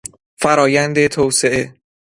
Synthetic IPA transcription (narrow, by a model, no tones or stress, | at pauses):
fæɾɒːjænd̪e̞t̪ʰoːwse̞ʔe̞